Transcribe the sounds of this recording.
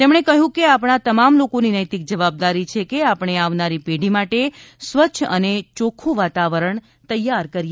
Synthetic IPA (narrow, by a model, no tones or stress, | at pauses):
t̪emɽ̃ekəɦũkeapɳ̃at̪əmamlokoninəjt̪ik̚d͡ʒəʋab̚d̪aɾit͡ʃʰekeapɳ̃eaʋnaɾipeɽimaʈesʋəːʃʰə̰net͡ʃokʰũʋat̪aʋəɾəɳ | t̪əjːaɾkəɾje